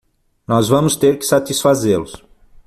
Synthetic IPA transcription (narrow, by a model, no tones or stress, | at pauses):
nɔzvɐ̃mʊst̪eɾkɪ̥sat̪isfazeɾlʊs